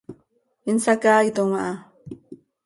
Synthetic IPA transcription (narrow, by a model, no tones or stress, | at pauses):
insakaːit̪umaʔa